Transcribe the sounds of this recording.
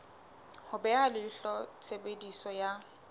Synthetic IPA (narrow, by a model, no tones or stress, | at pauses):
hʊbɛalɪɬɔt͡sʰʼebedisɔja